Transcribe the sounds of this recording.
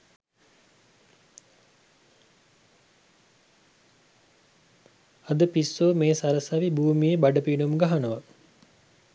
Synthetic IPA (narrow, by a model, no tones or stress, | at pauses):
ɐd̪əpisːoːmeːsaɾəsɐʋibuːmijebaɖəpinumɡaɦanəʋa